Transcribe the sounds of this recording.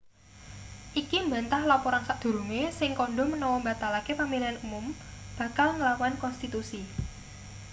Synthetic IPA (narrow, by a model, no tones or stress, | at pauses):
ʔikimba̤nt̪ahlapɔɾansaʔd̪̥o̤ɾumesɪŋkɔɳɖɔmənɔwɔmbat̪alakepamilianumʊmb̥ä̤kalŋəlakuankɔnst̪it̪usi